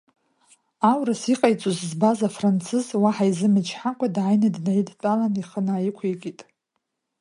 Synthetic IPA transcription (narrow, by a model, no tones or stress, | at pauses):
awrasiqʼajt͡sʼozzbazafrant͡sʰɨzwaħajzɨmɨt͡ʃʰħakʷʰʼadʕajnadnajidtʼalaniχənaːjɪkʷʰekʲʼitʼ